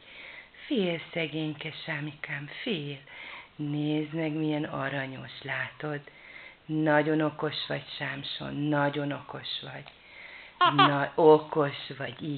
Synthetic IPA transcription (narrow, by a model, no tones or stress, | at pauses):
feːlsɛɡeːɲkɛʃaːmikaːmfeːlneːznɛkmijɛnɒɾɒɲo̞ʃlaːt̪o̞d̪ | nɒɟo̞no̞ko̞ʃʋɒcʃaːmʃo̞̰nːɒɟo̞no̞ko̞ʃʋɒɟ | noko̞ʃʋɒɟiː